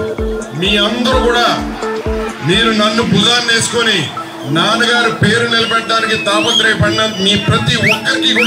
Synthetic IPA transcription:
miːɐnd̪ɐɾukuːɽaː | miːnunɐnːubud̪aːnne̞ːsu̥koni | naːnuɡaːɾupe̞ːɾunilɐbɛʈɖːaːnikit̪aːpɐnt̪ɾejpɐɽnɐmiːpɾɐt̪iɔkːɐɾikik

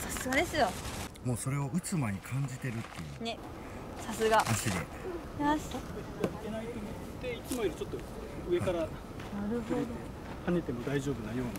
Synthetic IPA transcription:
sasɨɡad̪e̞sɨjo̞mo̞ːso̞ɾe̞o̞ɯ̟t͡sɨmaɲ̟ikʰãɲ̟d͡ʑit̪e̞ɾɯ̟t̪ːe̞jɯ̟ne̞ | sasɨɡaaɕid̪ḛ | jaseaikenait̪omi | t̪ːeit͡sɨmoiɾɯ̟t͡ɕo̞t̪ːo | ɯ̟e̞kaɾa | naɾɯhoɾed̪oe | hane̞t̪e̞mo̞d̪aiʑo̞ːbɯnajo̞ːni

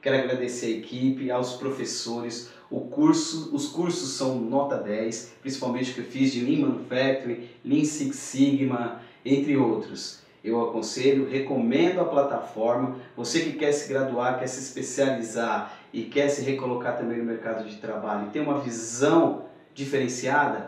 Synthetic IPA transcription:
kɛɾʊaɡɾad̪eseɾɐekʰipɪawspɾofesoɾɪs | ʊkuɾsʊʊskuɾsʊsːɐ̃w̃nɔt̪ɐd̪ɛjspɾĩsi̥pawmẽt͡ʃɪʊkewfizd͡ʒɪlĩmɐ̃fɛt̪ɾilĩsiksiɡmɐ | ẽnt̪ɾɪowt̪ɾʊs | ewakõseʎʊhekomẽnd̪ʊɐplat̪afɔɾmɐvosekɪkɛɾsɪɡɾad̪uaɾkɛɾsɪispesializaɾ | ɪkɛɾsɪɦekolokaɾt̪ɐ̃mbẽj̃nʊmeɾkad̪ʊd͡ʒɪt̪ɾabaʎʊɪt̪ẽũmɐvizɐ̃w̃ | d͡ʒifeɾẽsiad̪ɐ

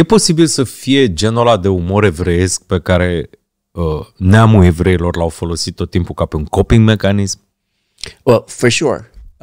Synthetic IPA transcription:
je̞po̞sibilsəfije̞d͡ʒe̞nolad̪e̞umo̞ɾe̞vɾe̞je̞sk̚pe̞kaɾe̞ | əneamue̞vɾe̞ilo̞rlawfo̞lo̞sit̪ːo̞t̪ːimpukape̞uŋko̞piŋɡme̞kanism | wɛlfoʃṵɹ

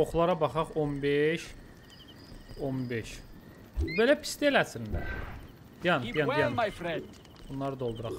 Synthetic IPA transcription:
oχlˠɑɾɑbɑχɑχonbeʃ | onbeʃ | ube̞læpʰi̥st̪ielæsind̪æ | bijɑnijɑnjɑnjfɾɛnd | bunlːˠɑɾɯd̪olˠd̪uɾɑχ

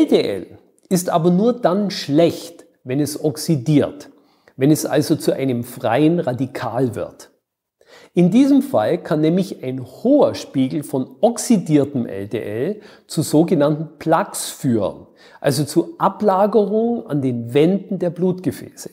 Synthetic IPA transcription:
ʔɛldeʔɛ̰l | ɪstʔaːbɐnuːɐdanʃlɛçt | vɛnɛsɔksidiːɐt | vɛnɛsʔa̰lzot͡suʔa̰ɪnəmfʁ̥a̰ɪənʁadikʰa̰ːlvɪ̰ɐt | ʔɪndiːzəmfalkʰanːɛːmlɪçaɪnhoːɐʃpiːɡl̩fɔnɔksidiːɐtəmʔɛ̰ldḛːʔɛl | t͡suzoːɡənantn̩pʰl̥aksfyːʁə̰n | ʔa̰lzot͡suʔaplaːɡəʁʊŋəa̰ndeːnvɛndn̩deːɐbluːtɡ̥əfɛ̰ːsə̥

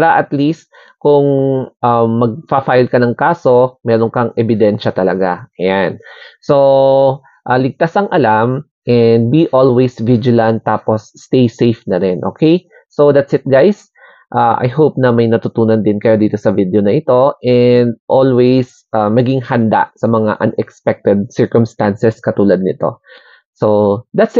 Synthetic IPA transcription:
aɾɐʔɐt̪list̪̚ | kʊŋʔamːɐɡ̚pɐfajlkɐnɐŋkaːso̞mɛːɾonkɐŋʔɛbɪd̪ɛnʃɐt̪ɐlɐɡa̰ʔɐjanso̞ | ʔalɪɡ̚t̪asɐŋʔɐlam | ʔɛnd̪̚biʔolwejsvid͡ʒɪlɐnt̪ːaːposːt̪ejsejfnɐɾɪnʔo̰ːkej | sod̪at̪sɪt̪̚ɡajs | ʔaʔa̰jɦowp̚nɐmɐjnɐt̪ʊt̪uːnɐnd̪ɪnkɐjad̪iːt̪o̞sɐvid̪eonɐʔɪt̪o̞ʔɛnd̪̚ʔolwejs | ʔamɐɡɪŋhɐnd̪a̰ʔsɐmɐŋa̰ʔɐ̰nɛkspɛk̚t̪ɛd̪̚sɛɹkʊmst̪ansɛskɐt̪uːlɐd̪̚nɪt̪o̞̰ | sod̪at̪s

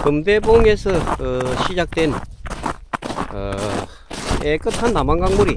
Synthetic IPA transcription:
kɯmdeboŋesʰʌɯɕʰid͡ʑak̚t͈wen | ʌ̰ | ek͈ɯtʰanːamaŋɡaŋmuɾi

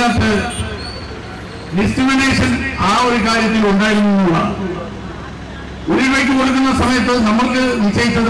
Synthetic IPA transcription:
ɐt̪ːɨ | ɖiskrimine̞ːʂɐnaːo̞ɾukaːɾjɐt̪̬ːiluɳɖaːjiɾunːunːuɭːɐ̰ | oɾiʋekːikurɐkːunːɐsɐmɐjɐt̪̬ːɨnɐmukːɨʋit͡ɕːɐjit͡ɕːɐð

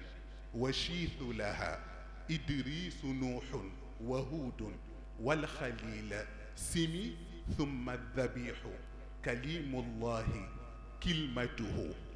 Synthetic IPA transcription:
waʃiːθlaha̰ː | ʔɪd̪ɾiːsnuːħʊ | waɦuːd̪ | walxaliːla | sɪmiː | θʊmːaðːabiːħʊ | kaliːmʊlˤːɑːhɪ | kɪlmat̪ʊhʊ̰

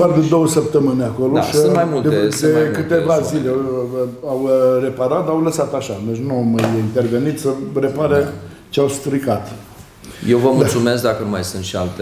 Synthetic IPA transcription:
ard̪ed̪o̞wəsəp̚t̪əmɨnʲeako̞lo̰kəɨnmajmuld̪eed̪ekɨt̪e̞vazile | awre̞paɾat̪̚d̪awləsat̪aʃad̪et͡ʃnuamjint̪e̞rve̞nit̪səre̞paɾe | t͡ʃeawst̪ɾikat̪ | jewvəmult̪sume̞sk̚d̪akənuma̰jsɨnt̪ʃialt̪e

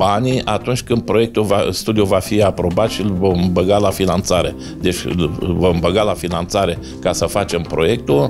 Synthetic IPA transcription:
anʲiat̪unt͡ʃʲkɨnd̪̚pɾo̞je̞k̚t̪uvast̪ud̪ijuvafiapɾo̞bat̪ʃilvomɨbəɡalafinant̪saɾe̞ | d̪e̞t͡ʃʲvommbəɡalafinant̪saɾe̞ | kasəfat͡ʃe̞mpɾo̞je̞k̚t̪ul

